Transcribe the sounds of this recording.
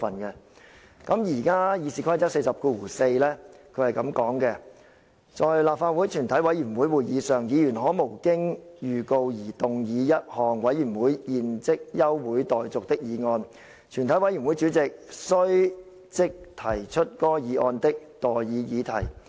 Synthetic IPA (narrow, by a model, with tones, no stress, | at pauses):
fɐ˨nkɛ˧ | kɐ˨˧˥mjiː˨˩kaː˥jiː˨˧siː˨˧kʰɐ˥jt͡sɐ˥k̚se˧jsɐ˨p̚kuː˧wuː˨˩se˧jlɛː˥kʰɵ˨˧ɥhɐ˨jkɐ˨˥mkɔː˨˥ŋkɛ˧ | t͡sɔː˨jlaː˨˩p̚faː˧t̚wu˨˥jt͡ʃʰyː˨˩nt̪ʰɐ˨˥jwɐ˨˥jyː˨˩nwuː˨˥jwuː˨jjiː˨˧sœː˨ŋjiː˨˧jyː˨˩nɦɔː˨˥mo˨˩wkɪ˥ŋjyː˨˩ko˧wjiː˨˩t̪ʊ˨ŋjiː˨˧jɐ˥t̚hɔː˨˩ŋwɐ˨˥jy˨˩nwuː˨˥jjiː˨˧nt͡sɪ˥k̚jɐ˥wwuː˨˥jt̪ɔː˨jt͡sʊ˨k̚t̪ɪ˥k̚jiː˨˧ŋɔː˧n | t͡ʃʰyː˨˩nt̪ʰɐ˨˥jwɐ˨˥jyː˨˩nmwu˨˥jt͡ʃyː˨˥t͡sɪ˨k̚sɵ˥ɥ | t͡sɪ˥k̚t̪ʰɐ˨˩jt͡ʃʰɵ˥t̚kɔː˥jiː˨˧ʔɔː˧nt̪ɪ˥k̚t̪ɔː˨˩jjiː˨˧jiː˨˧t̪ʰɐ˨˩j